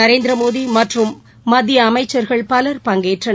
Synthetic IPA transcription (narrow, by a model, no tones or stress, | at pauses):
ɐɾeːnd̪ɾɐmoːðimɐʈrɯmː | ɐd̪ʱjɐːmɐɪt͡ʃːɐɾɣɐɭpɐlɐɾpɐŋɡeːʈrɐ